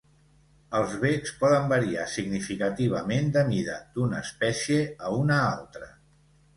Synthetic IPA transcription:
əlˠzβekspɔðəmbəɾiasiɡnifikət̪iβ̞əmend̪əmiðəd̪unəːspɛsieəunəa̰lˠt̪ɾə

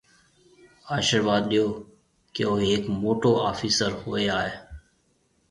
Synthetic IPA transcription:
aːʃəɾʋaːd̪̚ɗɪjoː | keːoːeːkmoːʈoːʔaːfiːsəɾhoːeːaːɦeː

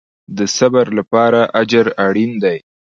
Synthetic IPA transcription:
d̪əsabaɾlapɑɾaʔad͡ʒaɾaɽind̪aj

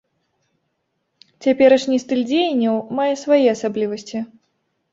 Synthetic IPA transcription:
t͡sʲapʲɛɾɐʂnʲist̪ɨlʲd͡zʲejɐnʲːɐwmajɛsvajɛasablʲivɐsʲt͡sʲi

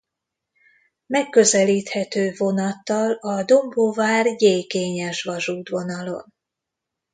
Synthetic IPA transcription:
mɛkːøzɛliːt̪hɛt̪øːvo̞nɒt̪ːɒlɒd̪o̞mbovaːrjeːkeːɲɛʃʋɒʒuːd̪ʋo̞nɒlo̞̰n

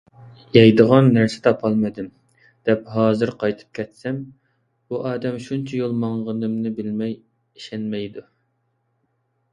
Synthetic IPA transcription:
jɑjd̪əʁɑnːæɾsɪ̥t̪ʰɑpʰɑlˠmɨd̪ɪm | d̪̥ɛpɦɑːzɨɾqʰɑjt̪ʰɨ̥p̚kʲʰɛt̪sɛm | buʔɑːd̪ɛmʃunt͡ʃʰɛjolˠmɑŋʁənɨmnɨbɪlmɛj | iʃɛnmɛjd̪u

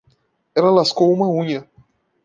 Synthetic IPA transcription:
ɛlɐlaskowũmɐũɲɐ

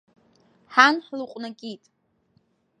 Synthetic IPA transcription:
ħanħluqʷʼnakʲʼitʼ

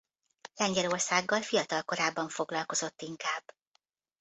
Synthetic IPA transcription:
lɛɲɟɛlo̞rsaːɡːɒlfijɒt̪ɒlko̞ɾaːbːɒɱfo̞ɡlɒlko̞zo̞t̪ːiŋkaːbː

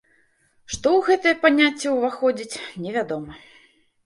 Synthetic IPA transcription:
ʂt̪ɔwɣɛt̪ɨjɛpanʲat͡sʲːɛwvaxɔd͡zʲit͡sʲnʲɛvʲad̪ɔmɐ

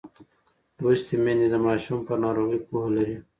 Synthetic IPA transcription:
ost̪imenid̪əmaːʃumpənaːɾoːɣipuɦlɐɾi

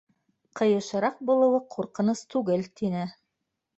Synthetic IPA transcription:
qɤ̆jɤ̆ʃɤ̆ɾɑq̚bulˠɤ̆wɤqʰuɾqɤ̆nɤst̪ʉɡɘlt̪inɘ

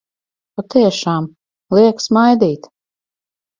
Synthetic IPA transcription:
pat̪iɛʃaːm | lˠiɛksmajd̪iːt̪

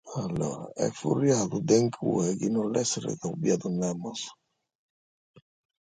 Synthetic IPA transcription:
alɔɾa̰ɛ̰furjaðud̪ɛŋkʰṵɛkinɔlɛsɾɛ̰kaubiaðunːɛmɔs

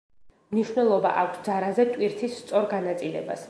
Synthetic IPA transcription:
mniʃwnɛlˠɔba̰ʔakʷʰsd̪zaɾazɛt̪ʼwiɾt̪ʰisːt̪sʼɔɾɡanat̪sʼilɛ̰ba̰s

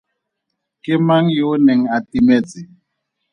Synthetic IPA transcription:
kɪmaŋjiʊnɛŋ̩atʼimɛt͡sʼɪ

